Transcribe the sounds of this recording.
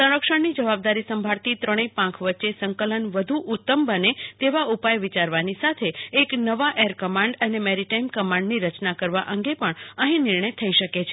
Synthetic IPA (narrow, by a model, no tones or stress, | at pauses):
sə̃ɾəkʃəɳnid͡ʒəʋabd̪aɾisəmbʱaɭt̪it̪ɾəɽ̃ipãkʰʋətːʃesə̃ŋkələnʋəd̪ʱuʔut̪ːəmbənet̪eʋaupajʋit͡ʃaɾʋanisat̪ʰeːknəʋaʔeɾkəmãɳɖənemɛɾiʈaimkəmãɳɖniɾət͡ʃnakəɾʋa̰ʔəŋɡepəɳəɦĩnɪɾɳəjt̪ʰəiʃəket͡ʃʰe